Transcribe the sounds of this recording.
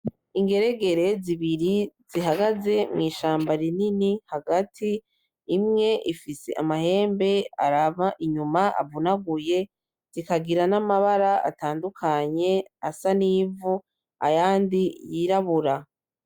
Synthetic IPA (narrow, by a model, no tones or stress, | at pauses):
iŋɡe̞ɾe̞ɡe̞ɾe̞ziβiɾiz̥iɦaɡaze̞mŋiːʃaːmbaɾininihaɡatʰiː | mŋe̞ʔifise̞̰ʔamahe̞ːmbe̞a̰ɾavaʔiɲumaʔa̰vunaɡuje̞ | z̥ikaɡiɾanamaβaɾaa̰taːndukʰaɲe̞asaniːvu | a̰jaːndijiɾaβuɾa